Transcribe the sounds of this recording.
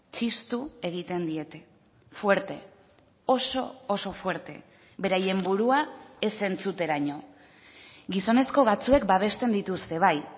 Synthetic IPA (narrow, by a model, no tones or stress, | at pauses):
t͡ʃist̪ue̞ɣit̪e̞nd̪ie̞t̪e̞ | fwe̞ɾt̪e̞̰ | oso̞̰ːso̞fwe̞ɾt̪e̞̰ | be̞ɾaje̞mbuɾuae̞se̞nt͡sut̪e̞ɾaɲo̞ | ɡiso̞ne̞sko̞βat͡sue̞kbaβ̞e̞st̪e̞nd̪it̪ust̪e̞β̞aj